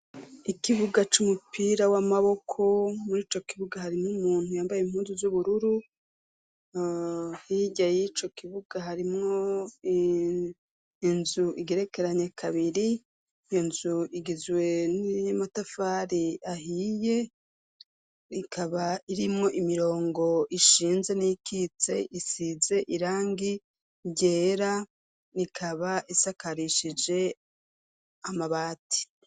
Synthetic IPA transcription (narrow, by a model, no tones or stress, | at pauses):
ikiβuɡat͡ʃumupiːɾawamaβo̞kʰo̞muɾiːt͡ʃo̞kiβuɡahaɾimŋumuːn̥hujaːmbajeim̥huːnzuzuβuɾuɾu | hiɟajit͡ʃo̞kiβuɡ̥aɦaɾimŋo̞ | nzuʔiɡeɾe̞ke̞ɾaɲekʰaβiɾi | ijo̞nzuiɡizwe̞nimatafaɾiahije | ikʰaβaiɾimŋo̞ʔimiɾo̞ːŋɡo̞ʔiʃiːnze̞nikit͡se̞̰ʔisize̞ʔiɾaːŋɡi | ɟe̞ːɾa | nikʰaβaʔisakaɾiʃid͡ʒe̞ | amaβaːti̥